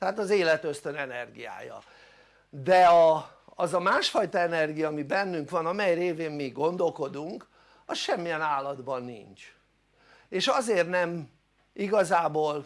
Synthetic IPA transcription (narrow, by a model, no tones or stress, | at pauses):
t̪ɛɦaːt̪ɒzeːlɛt̪øst̪ø̞nɛnɛrɡija̰ːjɒ̰ | d̪ɛɒ | ɒzɒmaːʃfɒjt̪ɒɛnɛrɡijɒːmibɛnːyŋkʋɒnɒmɛjreːveːmmiɡo̞nd̪o̞lko̞d̪uŋk | ɒsʃɛmːijɛnaːlːɒd̪bɒnːḭɲt͡ʃ | eːʃɒzeːrt̪nɛm | ʔiɡɒzaːboːl